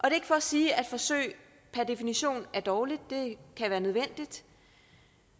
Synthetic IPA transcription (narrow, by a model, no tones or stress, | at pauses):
ʔɒ̽d̥e̝e̝ɡ̥fɒ̽siːæd̥fɒ̽sø̰ɪ̰ | pʰæɐd̥e̝finiɕo̝̰ːnæɐd̥ɒːlid̥d̥e̝kʰæʋæːɐnøðˠʋen̰d̥id̥